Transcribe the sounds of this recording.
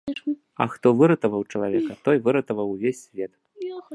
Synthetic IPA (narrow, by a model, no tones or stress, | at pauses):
ɐ̰xt̪ɔvɨɾɐt̪ɐvɐwt͡ʂɐlˠavʲɛkɐt̪ɔjvɨɾɐt̪ɐvɐwvʲesʲːvʲɛt̪